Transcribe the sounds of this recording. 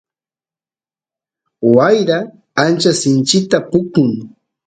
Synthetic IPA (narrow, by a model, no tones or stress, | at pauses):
wajɾaː | nt͡ʃasɪnt͡ʃɪt̪apʊkʊŋ